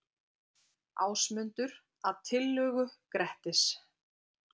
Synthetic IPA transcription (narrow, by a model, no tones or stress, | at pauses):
a̰ːwsmʏnt̪ʏɾ | aðt̪ʰɪlːʏːɣʏkɾɛht̪ɪs